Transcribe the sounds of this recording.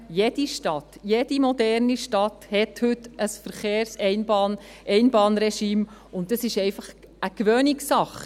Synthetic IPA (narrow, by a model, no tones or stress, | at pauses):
jed̥iʃtɑtjed̥imɔdɛɾniʃtɑthɛthʏtəsfəɾχeːɾsɛɪnbɑːnɛɪnbɑːnɾɛʃiːmʊnt̚dɑsɪʃɛɪfɑχ | ʔəkʋøːnɪksɑχ